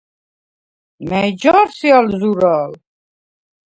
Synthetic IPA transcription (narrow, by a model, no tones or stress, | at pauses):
mɛd͡ʒaːɾsialzuɾal